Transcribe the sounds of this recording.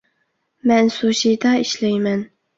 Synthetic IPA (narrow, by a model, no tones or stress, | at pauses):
mɛnsoʃijd̪ɑiʃlɛjmɛn